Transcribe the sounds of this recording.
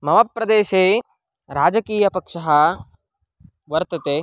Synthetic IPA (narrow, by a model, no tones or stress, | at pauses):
mɐʋɐpːɾɐd̪eːʃeː | ɾaːd͡ʒɐkiːjɐpɐkʂɐɦɐ | ʋɐɾt̪ɐt̪eː